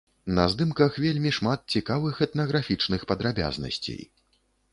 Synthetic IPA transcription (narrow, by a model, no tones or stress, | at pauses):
nɐzd̪ɨmkɐxvʲelʲmʲiʂmat̪̚t͡sʲikavɨxɛt̪nɐɣɾafʲit͡ʂnɨxpɐd̪ɾabʲa̰znɐ̰sʲt͡sʲḛj